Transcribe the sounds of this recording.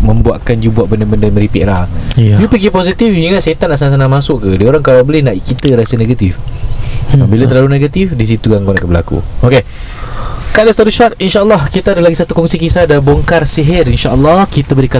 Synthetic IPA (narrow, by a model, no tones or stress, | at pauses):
mə̃mbua̰ʔkand͡ʒubuaʔbəndəbəndaməɾipiʔlahjupiɡiposit̪ifiŋanset̪anaʔsanas̬anamãsʊʔkədioɾaŋkalabolɪhnaʔikit̪əɾasəneɡat̪if | bilat̪ərlaluneɡat̪ifdis̬it̪uɡaŋkona̰ʔkəbəla̰kṵoke | kaʔləst̪ɔɾiʃɔt̚inʃaʔəlːɔhkit̪aadalaɡisat̪ukɔŋsikisadaboŋkarsiɦɪrinʃaʔəlːɔhkit̪əbəɾika